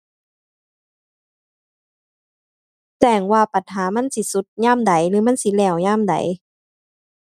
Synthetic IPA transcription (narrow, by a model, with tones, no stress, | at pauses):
t̪ɛː˧˩ŋwaː˧˩pa˨˧˩t̪̚ɦaː˨˦ma˧˥˨nsi˧˦su˧˦t̪̚ɲaː˧˥˨mda˨˩˦jlɯː˨˦ma˧˥˨nsi˧˦lɛː˧˩wɲaː˧˥˨mda̰˨˦j